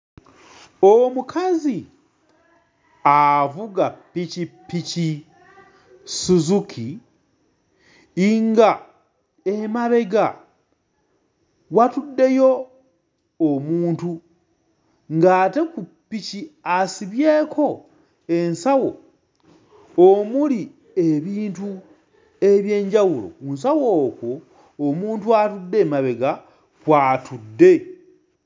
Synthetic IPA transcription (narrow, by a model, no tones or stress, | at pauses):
omukʰazi | avuɡapːicipːici | suzukʰi | ŋɡa | emaβe̞ɡa̰ | watudːe̞jo̞ | muːntu | ŋɡaːte̞kupːiciasiβje̞ːkʰo̞ | e̞nsawo̞ | omuli | eβiːntu | e̞βje̞ːɲɟawulo̰uns̬awo̞ːkwoː | muːntuatudːe̞maβe̞ɡa | kwaːtudːe̞